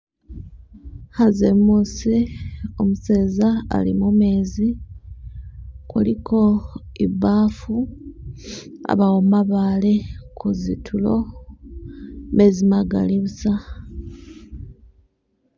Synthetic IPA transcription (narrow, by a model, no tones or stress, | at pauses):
hazemːuːsio̞museːza̰ːlḭmume̞ːzi | kulikʰo̞ | iβaːfu | a̰βawomaβale̞kʰuzitʰulo̞ | me̞zimaɡa̰liβusa